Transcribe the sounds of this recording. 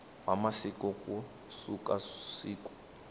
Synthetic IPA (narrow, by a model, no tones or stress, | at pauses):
wamasikɔkʼu | sukasiːkɔ̥